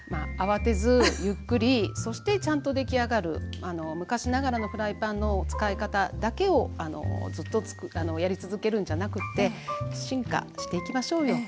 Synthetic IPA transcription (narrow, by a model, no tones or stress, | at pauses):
maaβat̪e̞zɨjɯ̟kːɯ̟ɾʲiso̞ɕi̥t̪e̞t͡ɕãnt̪o̞d̪e̞kʲiaɡaɾɯ̟̰ano̞mɯ̟kaɕinaɡaɾano̞ɸɯ̟ɾaipãnːo̞t͡sɨ̥kaikat̪ad̪ake̞o̞ano̞̰d͡zɨt̪ːo̞t͡sano̞jaɾʲit͡sɨzɨke̞ɾɯ̟̃ɲ̟d͡ʑanakɯ̟t̪ːe̞ɕĩŋka̰ɕi̥t̪e̞ikʲimaɕo̞ːjo̞